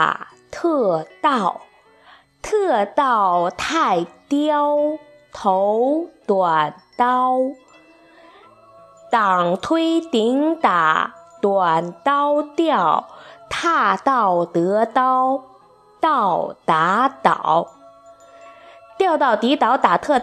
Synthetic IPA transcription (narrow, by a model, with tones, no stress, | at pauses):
t̪ʰɤ˥˧t̪ɑ˥˩ʊ | t̪ʰɤ˥˧t̪ɑ˥˩ʊt̪ʰa˥˩ɪt̪jɑ˥ʊ | t̪ʰo˧˥ʊt̪wa˨˩nt̪ɑ˥ʊ | t̪ɑ˨˩ŋt̪ʰwe˥ɪt̪i˧˥ŋt̪a̰˨˩˦t̪wa˨˩nt̪ɑ˥ʊt̪jɑ˥˩ʊt̪ʰa˥˧t̪ɑ˥˩ʊt̪ɤ˧˥t̪ɑ˥ʊ | t̪ɑ˥˩ʊt̪a˧˥t̪ɑ̰˨˩ʊ | t̪jɑ˥˧ʊt̪ɑ˥˩ʊt̪i˧˥t̪ɑ˧˥ʊt̪a˨˩t̪ʰɤ˥˧